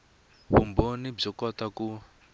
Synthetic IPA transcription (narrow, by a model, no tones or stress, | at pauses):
βṵmbonib͡ʐɔkɔtaku